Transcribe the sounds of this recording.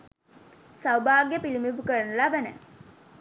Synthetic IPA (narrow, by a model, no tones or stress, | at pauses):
sawbaːɡepilimiʋukəɾɐnulaːʋænə̰